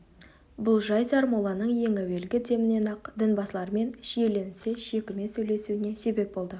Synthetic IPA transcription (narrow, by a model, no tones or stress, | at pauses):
bʊlˠʒɑjzɑɾmulˠɑnəɴje̞ŋæwe̞lɡʲɪd̪e̞mɪne̞nɑqd̪ənbɑslˠɑɾəme̞nʃije̞le̞nse̞ʃe̞kʲɪme̞sɵjle̞suɪne̞se̞be̞p̚bo̞lˠd̪ə